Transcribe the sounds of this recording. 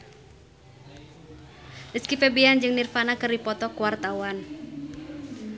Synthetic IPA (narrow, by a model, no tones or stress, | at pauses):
ʔəskifɛbiand͡ʒɨŋnirfanakɨrdipɔt̪ɔkuwart̪awan